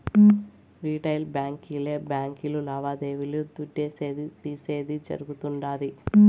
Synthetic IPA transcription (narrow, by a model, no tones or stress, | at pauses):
ɾiːʈɐjlbjaːŋkileːbjaːŋkilulaːʋaːd̪e̞ːʋilud̪uɖːe̞ːse̞ːd̪it̪iːse̞ːd̪id͡ʒɐ̰ɾuɡut̪uɳɖaːli